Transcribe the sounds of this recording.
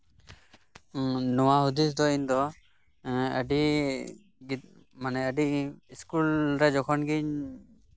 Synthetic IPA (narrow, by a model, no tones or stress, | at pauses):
nɔwaɦud̪is̬d̪ɔiɲd̪ɔ | əɖi | ɡi | manɛəɖiiskulɾɛd͡ʒɔkʰɔnɡiɲ